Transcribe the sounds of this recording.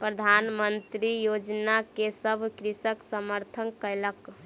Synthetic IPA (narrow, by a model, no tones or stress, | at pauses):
pɾəd̪ʱanmənt̪ɾijod͡ʒnakesəbʱkɾisəksəməɾt̪ʰənkələk